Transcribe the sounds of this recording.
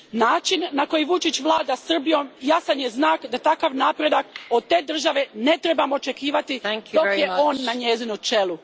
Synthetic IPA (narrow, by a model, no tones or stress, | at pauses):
naːt͡ʃinːako̞jiʋut͡ʃit͡ɕʋlˠaːd̪asr̩bijo̞mjasanje̞znaːkd̪at̪akaʋnaːpɾe̞d̪akod̪̚t̪e̞ːd̪r̩ʒaʋe̞ne̞t̪ɾe̞bamoot͡ʃe̞kiːʋat̪i̥okjeo̞ːnːaɲezinut͡ʃe̞lu